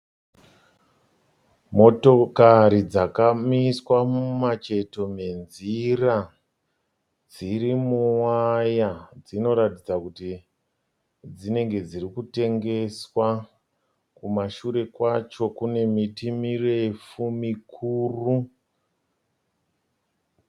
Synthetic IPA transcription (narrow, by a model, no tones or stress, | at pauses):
mo̞to̞kaɾid͡zakamiswamumat͡ʃe̞to̞me̞nzira | d͡ziɾimuwajad͡zino̞ɾatid͡zakuti | d͡zine̞ŋɡe̞d͡zirikute̞ŋɡe̞swa | kumaʃuɾe̞kwat͡ʃo̞kune̞mitimirefumikʰuːru